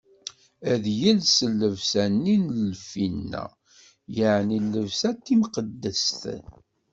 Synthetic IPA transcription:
æðjəlsəlːəvsænːinlfinːæ̰ | jəʕnilːəvsæt̪ːimqəd̪ːəst̪

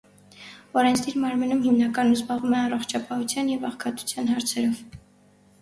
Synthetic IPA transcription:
ɔɾɛnt͡sʰd̪iɾmɑɾmənumhimnɑkɑnuzbɑʁumɛɑrɔχt͡ʃʰɑpɑhut͡sʰjɑnjɛvɑχkʰɑt̪u̥t͡sʰjɑnɦɑɾt͡sʰɛɾɔv

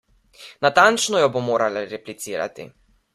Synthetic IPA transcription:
nat̪ant͡ʃnɔjɔbomoːɾalaɾɛplit̪siːɾa̰t̪ḭ

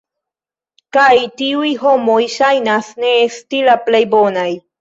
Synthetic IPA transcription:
kajt̪iujɦomojʃajnasneːst̪ilaplejbonaj

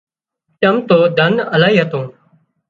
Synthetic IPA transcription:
t͡ʃəmt̪oːd̪ʱənəlaːɦiːɦət̪õː

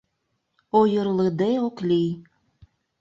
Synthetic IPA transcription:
ojɤɾlɤd̪eoklij

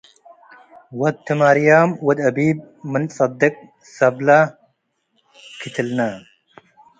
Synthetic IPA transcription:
wɐd̪̚t̪ʰːɨmaɾjaːmwɐd̪ɐbiːb̚ | mɨnsɑd̪ːɪk̚ʼ | sɐbla | kʰit̪ʰəlna

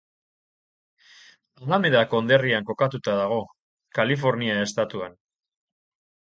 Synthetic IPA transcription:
alameðako̞nd̪e̞riaŋko̞kat̪ut̪aðaɣ̞o̞ | kalifo̞ɾniae̞st̪at̪uan

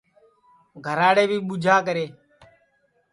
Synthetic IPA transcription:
ɡʱəɾaːɽeːbiːɓʊd͡ʒʱaːkəɾeː

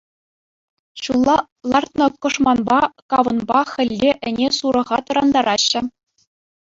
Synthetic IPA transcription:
ɕulˠːɑ | lˠɑrt̪nɤ̆kɤ̆ʂmɑnbɑkɑʋɤ̆nbɑxʲɘ̆lʲːeʔɘ̆nʲesuɾɤ̆ʁɑt̪ɤ̆ɾɑnd̪ɑɾɑɕːɘ̆

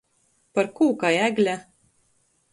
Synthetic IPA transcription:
pɐɾkuːkɑjæːɡlʲæ

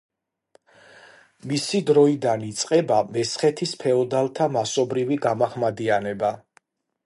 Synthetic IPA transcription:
misid̪ɾɔid̪anit̪sʼqʼɛbamɛsχɛt̪ʰispʰɛɔd̪alˠt̪ʰamasɔbɾiviɡamaχmad̪ianɛba

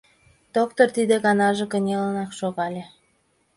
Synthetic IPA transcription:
d̪̥ok̚t̪ort̪id̪eɣɑnɑʒĕkə̆nʲelənɑkʃoɣɑlʲe

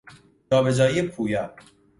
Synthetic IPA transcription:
ɒːbe̞d͡ʒɒːiepʰuːjɒː

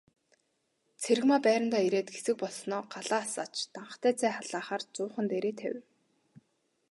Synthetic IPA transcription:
t͡sʰeɾɘ̆ɣmaːpæːɾɪ̆nt̪aːiɾeːt̪ɡesɘ̆k̚pɔɮsnɔːɢaɮaːsaːt͡ɕt̪aɴ̆t̪æːt͡sʰæːχaɮaːχaːrt͡sʊːχə̆nt̪eɾeːt̪ʰæ̰w

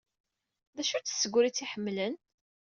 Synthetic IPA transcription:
ðæʃut͡sːə̥sːəɡʷɾit͡sːiħəmːlən

